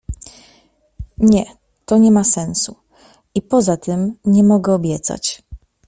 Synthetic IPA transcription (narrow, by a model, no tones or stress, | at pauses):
ɲɛ | t̪ɔɲɛmasɛnsu | ipɔzat̪ʰɘmɲɛmɔɡɛɔbʲjɛt̪sa̰t͡ɕ